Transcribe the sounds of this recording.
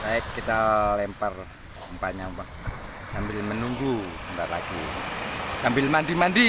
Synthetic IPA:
baɪkkːit̪alɛmpər | umpaɲampa | sambɪlmənuŋɡuəndaʔla̰ɡi | sambɪlmandimandi

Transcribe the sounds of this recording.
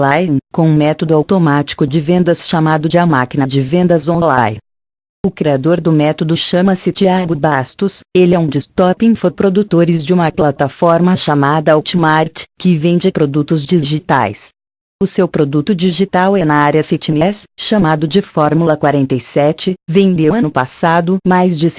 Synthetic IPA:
lajkõũmɛt̪od̪ʊawt̪omat͡ʃi̥kʊd͡ʒɪvẽnd̪ɐsʃamad̪ʊd͡ʒɪɐmakinɐd͡ʒɪvẽnd̪ɐzõlaj | ʊkɾiad̪oɾd̪ʊmɛt̪od̪ʊʃɐ̃mɐsɪt͡ʃiaɡʊbast̪ʊselɪɛũd͡ʒɪst̪ɔpĩfopɾod̪ut̪oɾɪzd͡ʒɪũmɐplat̪afɔɾmɐʃamad̪ɐut͡ʃimaɾt͡ʃkɪvẽj̃d͡ʒɪpɾod̪ut̪ʊzd͡ʒiʒit̪a̰js | ʊsewpɾod̪ut̪ʊd͡ʒiʒit̪awɛnɐaɾjɐfit͡ʃinɛsʃamad̪ʊd͡ʒɪfɔɾmulɐkwaɾẽnt̪ejsɛt͡ʃɪvẽd̪ewɐ̃nʊpasad̪ʊmajzd͡ʒɪs

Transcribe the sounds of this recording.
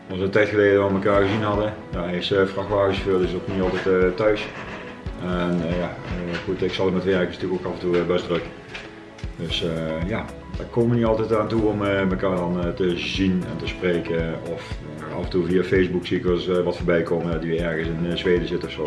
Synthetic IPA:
ɑlˠsʋəntɛjtxəleːdəʋɔlˠməkaːɹɣəzinɦɑdə | jaɛɪsfrɑxʋaːɣəsfølˠɪsokniɑlˠtɛttːœɥs | ɛnjaxutɪksɑlˠdəmɛtʋɛrkɪsn̥ɑtyəkokɑfən̩tubɛsdrøk | døsəja | dakoːmənitɑlˠtɛtaːntuɔməməkaːɹdɑntəzinɛ̰ntəspreːkəɔf | ɑ̰fəntuviafejzbuksiɪkəlˠsʋɑtfoːɹbɛjkoːməndɔtyɛɹɣəsɪnzʋeːdəzɪtɔfsoː

